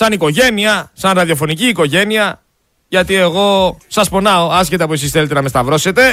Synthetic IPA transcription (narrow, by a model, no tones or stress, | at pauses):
sɐniko̞ʝe̞niɐsɐnɾɐðio̞fo̞niciːko̞ʝe̞niɐ | ʝɐt̪ie̞ɣo̞sɐspo̞nɐo̞ɐscet̪ɐpues̬isθe̞le̞t̪e̞nɐmest̪ɐvɾo̞se̞t̪e̞